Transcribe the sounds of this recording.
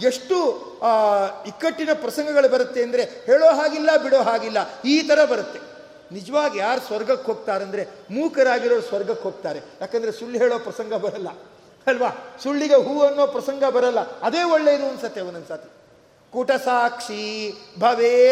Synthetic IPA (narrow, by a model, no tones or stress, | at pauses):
e̞ʂʈu | ikːɐʈːinɐpɾɐsɐŋɡɐɡɐɭubɐɾɐt̪ːe̞ɐnd̪ɐɾe̞heːɭoːɦaːɡilːɐbiɽoːɦaːɡilːɐiːt̪ɐɾɐbɐɾɐt̪ːe̞ | nid͡ʒɐʋaːɡijaːɾusʋɐɾɡɐkɦoːɡ̚t̪aːɾeɐnd̪ɐɾemuːkɐɾaːɡiɾoːd̪usʋɐɾɡɐkɦoːɡ̚t̪aːɾejaːkend̪ɐɾe̞suɭːiɦeːɭoːpɾɐsɐŋɡɐbɐɾɐlːɐ | ɐlʋaːsuɭːiɡeɦuːɐnːoːpɾɐsɐŋɡɐbɐɾɐlːɐɐd̪eːoɭːeid̪uɐnsɐt̪ːeʋɐnɐnsaːt̪ʰi | kuːʈɐsaːkʂibʱɐʋeː